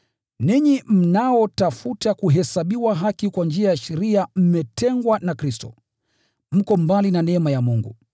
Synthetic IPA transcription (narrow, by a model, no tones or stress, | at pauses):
niɲim̩naɔtafutakuɦɛsaɓiwaɦakikwand͡ʒiajaʃɛɾiam̩mɛtɛŋɡwanakɾistɔ̰ | m̩kɔmbalinanɛmajamuŋɡṵ